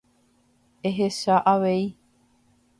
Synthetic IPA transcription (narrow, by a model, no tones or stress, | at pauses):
eɦesaʔaʋei